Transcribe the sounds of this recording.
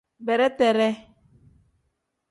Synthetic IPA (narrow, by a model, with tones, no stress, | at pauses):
bɛ˨ɾɛ˦t̪ɛ˨ɾɛ˦